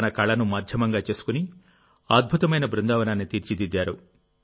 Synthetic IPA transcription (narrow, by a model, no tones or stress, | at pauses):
ɐnɐkɐɭɐnumaːd̪ʱjɐmɐŋɡaːt͡ʃe̞ːsu̥kuni | aːd̪̚bʱut̪ɐmɐjnɐbɾund̪aːʋɐnaːnːit̪iːɾt͡ʃid̪id̪ːaːɾu